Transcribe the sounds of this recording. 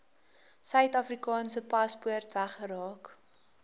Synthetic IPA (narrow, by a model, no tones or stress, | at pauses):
sœɥtɐfrikɑːnsəpɐspuərtvæχəɾɑːk